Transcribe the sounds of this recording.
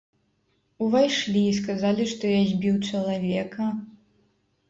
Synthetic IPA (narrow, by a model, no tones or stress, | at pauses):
uvajʂlʲiːs̬kazalʲiʂt̪ɔjazʲbʲiwt͡ʂɐlˠavʲɛkɐ